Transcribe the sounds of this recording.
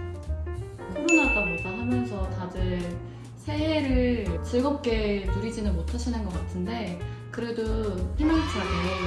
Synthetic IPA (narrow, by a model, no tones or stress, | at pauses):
kʰuɾunat͈aboɭɡaɦamjʌnsʰʌtadɯ | sʰe̞eɾɯɭt͡ɕɯɭɡʌp̚k͈e̞nuɾid͡ʑinɯnmotʰaɕʰinɯnɡʌk͈atʰɯnde̞kɯɾe̞dopʰemjaŋat͡ɕ͈ʰaɡe